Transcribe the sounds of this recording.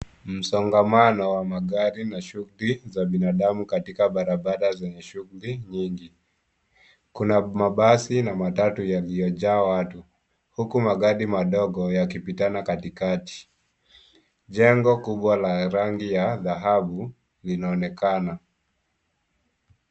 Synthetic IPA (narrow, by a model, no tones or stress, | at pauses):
m̩sɔŋɡamanɔwamaɠaɾinaʃuɣulizaɓinaɗamukatikaɓaɾaɓaɗazɛɲɛʃuɣuliɲiŋɡi | kunamaɓasinamatatujalijɔʄaːwatu | hukumaɠaɾimaɗɔɠɔjakipitanakatikati̥ | ʄɛŋɡɔkuɓwalaɾaŋɡijaðaɦaɓu | linaɔnɛkana